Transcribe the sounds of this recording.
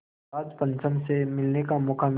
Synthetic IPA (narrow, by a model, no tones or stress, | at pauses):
aːd͡ʒpɐ̃nsəmsemɪlnekamʊkʰam